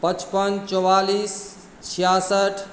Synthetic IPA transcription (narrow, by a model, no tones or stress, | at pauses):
pət͡ʃpənt͡ʃɔwalis | t͡ʃʰijasəʈʰ